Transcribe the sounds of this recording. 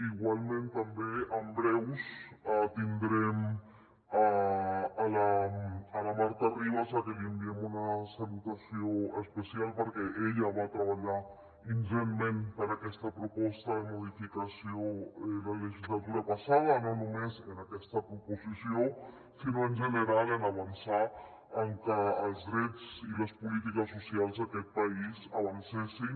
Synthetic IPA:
iɣwalmẽnt̪ambeambɾewsat̪ind̪ɾem | a | alaalamaɾt̪ariβasakeliembjemunasalut̪asjoespesjalpoɾkeʔeʎaβat̪ɾaβaʎaɾ | inʒenmẽmpəɾəkɛst̪əpɾupɔst̪əðəmuðifikəsiolələʒizlat̪uɾəpəsaðənonumezənəkɛst̪əkɾupuzisio | sinoənʲʒənəɾalənəβ̞ənsa | əŋkəːlˠzðɾɛd͡ziləspulit̪ikəsːusialˠzðəkɛt̪̚pəizəβənsesin

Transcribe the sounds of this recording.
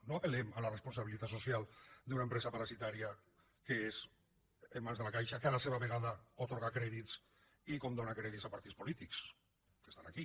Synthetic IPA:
noapelemalarespunsaβ̞ilit̪at̪sosjalˠd̪unaempɾezapaɾasit̪aɾia | kees | emːanzðelakajʃakealaseβaβeɣaðaot̪oɾɣakɾeðits | ikomd̪onakɾeðitzapaɾt̪ispolit̪iks | ke̥st̪anaki

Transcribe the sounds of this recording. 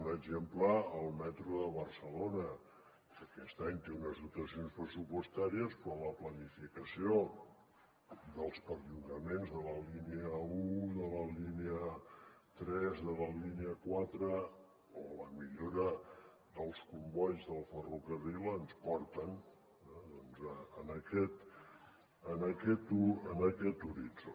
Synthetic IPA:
nəɡʒempləːlˠmɛt̪ɾuðəβərsəlonə | əkɛst̪aɲt̪eunəzðut̪əsionspɾəsupust̪aɾiəspɾɔləplənifikəsio | d̪əlˠspəɾʎuɣəmenzðələliniəuðələliniə | t̪ɾɛzðələliniəkwat̪ɾə | oələmiʎoɾə | ðəlˠskumbɔʎzðəlˠfərukərilənspɔɾt̪ən | ɛðɔnzəənəkɛt̪ | ənəkɛt̪uənəkɛt̪uɾit͡s

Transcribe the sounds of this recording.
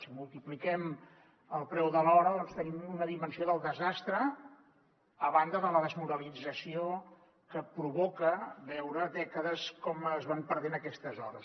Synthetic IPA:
simulˠt̪iplikɛm | əlˠpɾɛwðəlɔɾəðɔnst̪ənimunəðimənsioðəlˠd̪əzast̪ɾə | βand̪əðələðəzmuɾəlid͡zəsio | kəpɾuβɔkəβɛwɾəðɛkəðəskɔməzβampəɾðenəkɛst̪əzɔɾəs

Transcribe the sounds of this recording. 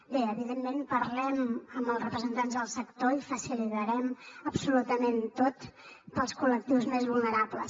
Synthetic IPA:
beəβiðemːenpəɾlɛməmbəlˠsrəpɾəzənt̪anzðəlˠsəkt̪oifəsilit̪əɾɛməbsulut̪əment̪ot̪pəlˠskulək̚t̪iwzmezβulˠnəɾapləs

